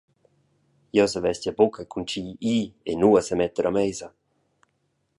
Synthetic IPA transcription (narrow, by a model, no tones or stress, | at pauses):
jɔsəvɛscabokʰakʰunt͡ʃiiːḛnuasəmɛt̪əɾamɛjza